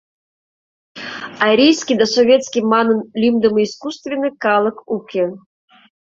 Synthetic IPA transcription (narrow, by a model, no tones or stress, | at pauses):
aɾʲijskʲijd̪asovʲet̪skʲimɑnənlʲymd̪ə̆məiskust̪vʲenːəkɑlˠɤkukʲe